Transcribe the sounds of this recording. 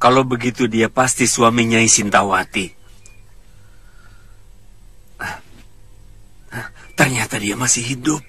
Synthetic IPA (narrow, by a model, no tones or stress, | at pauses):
kalobəɡit̪udiapast̪isuamiɲaisint̪awat̪i | h | t̪ərɲat̪adiamasɪɦidʊp̚